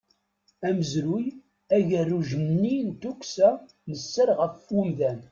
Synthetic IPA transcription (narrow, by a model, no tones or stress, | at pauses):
æməzɾuj | æʝərːuʒənnːint̪ukʷsæ | nəsːəɾʁəfumðæn